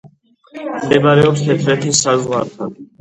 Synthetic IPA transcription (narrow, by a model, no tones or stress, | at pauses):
md̪ɛbaɾɛɔpst̪ʰɛt̪ʰɾɛt̪ʰisazʁwaɾt̪ʰan